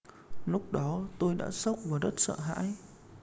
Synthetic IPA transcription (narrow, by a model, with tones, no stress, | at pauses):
lʊ˦˥k͡p̚ɗɔ˨˦t̪o˧jɗa̰ː˧˥sə˦˥wk͡p̚vaː˨˩zə˦˥t̚sə̰ː˧˨ɦa̰ː˧˥j